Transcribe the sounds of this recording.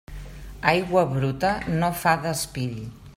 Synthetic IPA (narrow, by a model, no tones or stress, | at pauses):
ajɣwəβɾut̪ənofaðəspiʎ